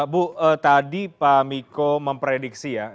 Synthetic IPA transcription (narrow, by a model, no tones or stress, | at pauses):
buət̪adipamikoməmpɾedik̚sija